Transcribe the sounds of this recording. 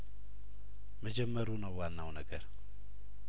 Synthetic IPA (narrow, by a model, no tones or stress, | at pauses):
məd͡ʒɛmːəɾunəwːanːawnəɡəɾ